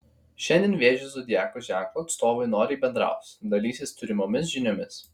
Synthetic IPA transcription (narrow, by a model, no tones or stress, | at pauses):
ʃʲɛnʲd̪ʲɛnʋʲeːʒʲɪzod̪ʲɪjæːkoʒʲæːklˠoːɐt̪st̪oːʋʊɪnoːɾʲɪiːbʲɛnd̪ɾɑ̰ˑʊt̪sʲd̪ɐlʲiːsʲest̪ʊɾʲɪmomʲɪs̬ʒʲɪnʲomʲɪs